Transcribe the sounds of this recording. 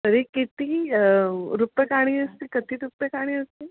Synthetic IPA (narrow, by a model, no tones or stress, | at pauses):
t̪əɾekit̪iː | ɾupjəkaɽ̃iːəst̪iːkət̪iːɾupːjəkaɽ̃iːəst̪i